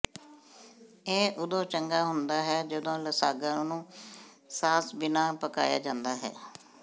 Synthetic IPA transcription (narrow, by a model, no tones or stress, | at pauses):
eːʔʊd̪õːt͡ʃəŋɡaːɦʊnd̪aːɦɛːd͡ʒəd̪õːləsaːɡãːnũː | saːsbɪnaːpəka̰ːja̰ːd͡ʒãːnd̪aːɦɛ̰ː